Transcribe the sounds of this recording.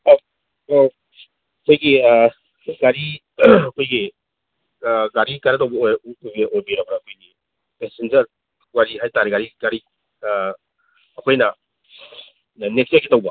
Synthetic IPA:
o | ɐkʰojɡi | ɡaɾi | ɐkʰojɡi | ɡaɾikaɾatawbɐjbiʔojbiɾɐbɐɾaːkʰojɡi | pesend͡ʒɐɾ | ɡaɾiɦajtaɾeɡaɾiɡaɾi | kʰojnɐ | nekstojkitawbɐ

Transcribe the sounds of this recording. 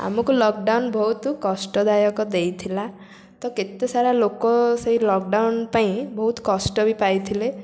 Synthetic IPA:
a̰mɔkulɔk̚ɖawnbʱɔɦut̪kɔsʈɔd̪ajɔkɔd̪ejt̪ʰila | t̪ɔket̪esaɾalokɔseilɔkɖawnpaĩbɔɦut̪kɔsʈɔbipajt̪ʰile

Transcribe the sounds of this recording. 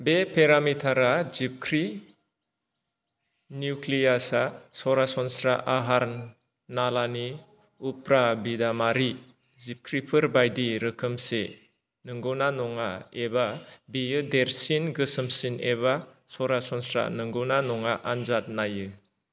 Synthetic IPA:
bepʰeɾamitʰaɾazip̚kʰɾi | njuklijasasɔɾasɔnsɾaʔaɦaɾ | nalani | upɾabidamaɾi | zip̚kʰɾipʰɯɾbajdiɾɯkʰɯmse | nɯŋɡɯwnanɔŋaebabijɯdeɾsinɡɯsɯmsineβa | sɔɾasɔnsɾa̰nɯŋɡɯwnanɔŋaʔanzat̚najɯ

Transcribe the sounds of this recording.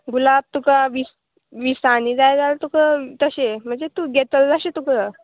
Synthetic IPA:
ɡulab̚t̪ukaʋis | ʋisaniːd͡zajd͡zalt̪ukət̪əɕem̤əɳd͡zet̪uɡʱet̪əld͡zaɕet̪ukə

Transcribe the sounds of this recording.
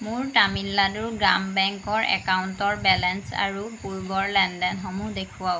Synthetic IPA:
mʊɹtamilːadʊɹɡɹambɛŋkɔɹɛ̰kawntɔɹbɛlɛnsa̰ɹupuɹbɔɹlɛndɛnɦɔmudekʰuwaʊ

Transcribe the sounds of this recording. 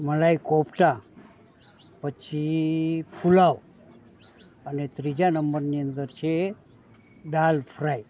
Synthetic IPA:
məlajkopʈa | pət͡ɕʰipʰulaw | ənet̪ɾid͡ʑanəmbəɾnijənt̪əɾt͡ɕʰe | ɖalfʰɾaj

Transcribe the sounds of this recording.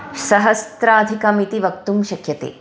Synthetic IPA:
ʃɐɦɐst̪ɾɐːd̪ʱikɐmit̪iʋɐk̚t̪umʃɐkʰjɐt̪ḛː

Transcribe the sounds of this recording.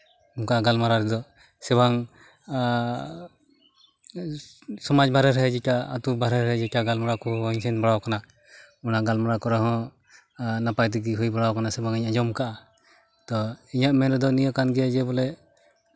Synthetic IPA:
ɔmkaaɡalmaɾaɾɛd̪ɔ | sɛbaŋ | sɔmad͡ʒbʱaɾɛɾɛd͡ʒɛkaa̰t̪ubaɾɛɾɛd͡ʒɛkaɡalmaɾakuɦɲsɛnbaɽawkana | ɔnaɡalmaɾakɔɾɛɦɔ̃ | napajt̪iɡiɦujbaɽawkanasɛbaŋiɲad͡ʒɔmkaʔa | t̪ɔiɲaʔmɛnɾɛd̪ɔnijɔkanɡɛjad͡ʒɛbɔlɛ

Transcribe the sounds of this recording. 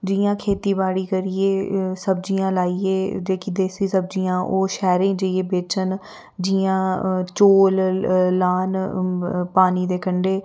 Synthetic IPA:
d͡ʒiːjãːkʰeːt̪iːbaːɽiːkəɾiːeːsəbd͡ʒijãːlaːiːeːd͡ʒeːkiːd̪eːsiːsəb̚d͡ʒiːãːʔoːʃɛːɾẽːd͡ʒəieːbeːt͡ʃən | d͡ʒiãːt͡ʃoːllaːn | paːniːd̪eːkəɳɖeː

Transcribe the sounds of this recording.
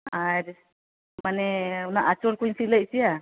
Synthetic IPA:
ajɾ | manɛunaʔat͡ʃɔlkujnsiləʔsija

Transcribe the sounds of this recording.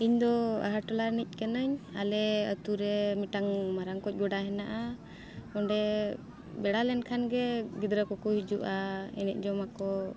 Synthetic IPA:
iɲd̪ɔa̰ɦaʈɔlaɾnic̚ˀkɛnəɲa̰lɛə̰t̪uɾɛmiʈaŋmaɾaŋkɔc̚ˀɡɔɖaɦɛnaʔa | ɔɳɖɛ | bɛɽalɛnkʰanɡɛɡid̪ɾəkɔkɔɦid͡ʒuʔaɛ̰nɛc̚ˀd͡ʒɔmakɔ

